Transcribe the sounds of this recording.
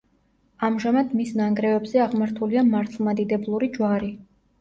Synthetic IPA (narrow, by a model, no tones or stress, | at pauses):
amʒamad̪misnaŋɡɾɛvɛbzɛaʁmaɾt̪ʰuliamaɾt̪ʰlˠmad̪id̪ɛblˠuɾid͡ʒwaɾi